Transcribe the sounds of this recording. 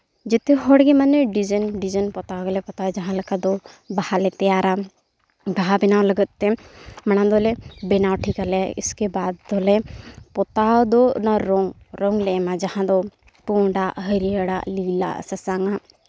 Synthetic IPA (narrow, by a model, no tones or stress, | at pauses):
d͡ʒet̪eɦɔɽɡemanːeɖid͡ʒənɖid͡ʒənpɔt̪aɡəlɛpɔt̪ad͡ʒɐɦãləkad̪obahalet̪ɛjaːɾa | baɦabinaləɡət̪ːemɐñand̪olebɛnawʈʰikaleḭskebaːd̪ːolepɔt̪ad̪onaɾoŋ | ɾɔŋɡlemãd͡ʒɐhãd̪o | puɳɖaɦəɾiəɽa̰liːla̰sɐsaŋa